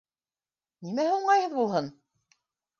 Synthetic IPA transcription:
nimæhuɴɑjhɤðbulˠɦɤn

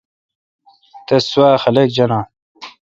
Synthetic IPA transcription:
t̪eswaːxɐlek̚d͡ʑɐnãː

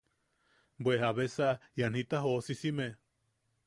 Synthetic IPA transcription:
bwehaβesajan̥it̪aɦosisime

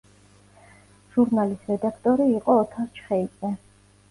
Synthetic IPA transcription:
ʒuɾnalisɾɛd̪akʰt̪ʼɔɾiːqʼɔːt̪ʰaɾt͡ʃʰχɛid̪zʼɛ

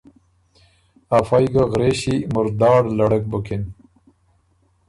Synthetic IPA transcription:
afajɡaɣɾeɕimʊɾd̪ɑːɽlaɽək̚bukin

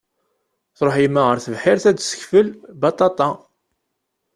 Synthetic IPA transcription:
θɾˤoħjimːæʁəɾθəvħɪɾθæd̪sə̥çfəlbɑt̪ˤɑt̪ˤɑ

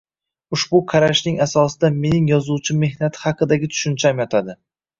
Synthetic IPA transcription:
ʊʃbʊqʰɑɾaʃnɪŋasɒsɪd̪ame̞nɪŋjɒzuwt͡ʃʰɪme̞hnat̪ʰɪ̥hɑqɨd̪aɡʲɪt̪ʰʊ̥ʃʊnt͡ʃʰamjɒt̪ʰad̪ɪ

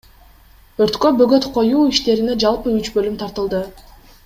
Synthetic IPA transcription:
øɾt̪kø̞bø̞ɡø̞t̪qʰo̞juːiʃt̪e̞ɾine̞d͡ʒɑlˠpɯyt͡ʃbø̞lymt̪ʰɑɾt̪ɯlˠd̪ɯ

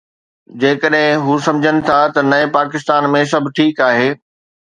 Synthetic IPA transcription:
d͡ʑeːkəɗɦɪ̃ɦusɐ̃md͡ʑʱənɪ̆t̪ʰat̪ɐnɐepaːkɪst̪aːnmẽs̬ɐbʱɪʈʰiːkaːɦeː

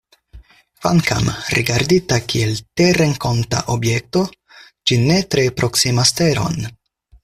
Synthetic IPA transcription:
kvaŋka̰mɾḭɡaɾd̪it̪akielt̪ereŋko̞nta̰ʔobjek̚t̪o̞ | d͡ʒine̞t̪ɾepɾo̞ksimast̪eɾo̞̰n

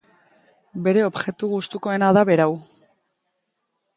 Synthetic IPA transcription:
be̞ɾe̞o̞bʝe̞t̪uɣust̪uko̞e̞naðaβe̞ɾaw

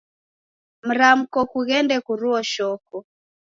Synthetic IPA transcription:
m̩ɾam̩kɔkuɣɛndɛkuɾuɔʃɔkɔ

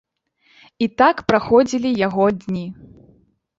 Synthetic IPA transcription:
it̪akpɾaxɔd͡zʲilʲijaɣɔd̪ʲnʲi

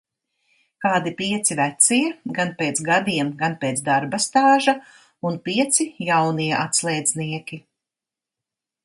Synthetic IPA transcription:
kaːd̪ipiɛt̪sivæt̪siɛɡanpʲeːt̪sɡad̪iɛmɡanpeːt̪zd̪aɾbast̪aːʒa | unpiɛt̪sijawniɛʔat̪slˠɛːd̪zniɛkʲi

